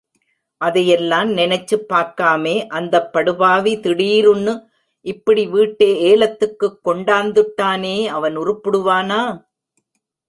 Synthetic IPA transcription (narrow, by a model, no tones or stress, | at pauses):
ʔɐðɐjɛlːaːmnɪnɐt͡ʃːɯpːaːɾkaːmeːʔɐnd̪ɐpːɐɽɯbaːʋit̪ɪɽiːɾʊnːɯ | ʔɪpːɐɽiʋiːʈːeːeːlɐt̪ːɯkːɯkːɔɳɖaːnd̪ɯʈːaːneːɐʋɐnʊrɯpːɯɽɯʋaːnaː